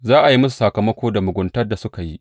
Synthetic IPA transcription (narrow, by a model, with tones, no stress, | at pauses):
zaː˦ʔa˨ji˦mʊ˦s̬u̥˨sɐ˨kɐ˨mɐ˦kʷoː˦da˨mʊ˨ɡʷʊ˨ntɐ˦rda˨sʊ˦ka˨jḭ˦